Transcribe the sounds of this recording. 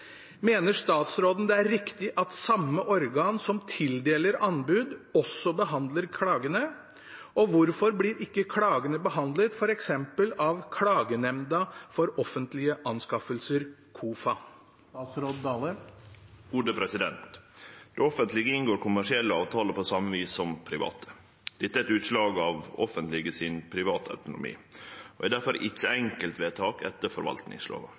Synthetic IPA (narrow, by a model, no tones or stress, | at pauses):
meːnəʂt̪ɑːt̪sɾoːd̪ən̩d̪ɛæɾɾːɪkt̪ɪʔɑt̪sɑmːəʔɔɾɡɑːnsɔmt̪ʰɪld̪eːləɾɑnbʉːd̪ɔsːɔbəɦɑnd̪ləɾkʰɽɑːɡənə | ʔɔʋʊɾfɔɾblɪːɾɪkːəkʰɽɑːɡənəbəɦɑnd̪lət̪fɔɾɛksɛmpəlɑʋkʰɽɑːɡənɛmd̪ɑfɔɾɔfənt̪lɪəʔɑnskɑfəlsəɾkʰuːfɑ | sɾod̪ɑːlə | ɡuːd̪əpʰɾɛsɪd̪ɛnt̪d̪̥ɛɔfənt̪lɪɡəɪnɡoːɾkʰʊmæʂɪɛlːəɑːʋt̪ʰɑːləpʰɔsɑmːəʋiːsːɔmpʰɾɪʋɑ̰ːt̪ʰə̥ | d̪̥ɛt̪ːæɛt̪ʉːt̪ʂlɑːɡɑʋɔfənt̪lɪɡəsɪnpʰɾɪʋɑːt̪ɑ̰ʉt̪ʊnʊ̰mḭːʔɔɛd̪æɾfɔɾʔɪ̰t͡ʃːəɛŋkəlt̪ʋeːt̪ʰɑːkɛ̰t̪ːəɾfɔɾʋɑ̰lt̪nɪ̰ŋslo̰ːʋɑ̰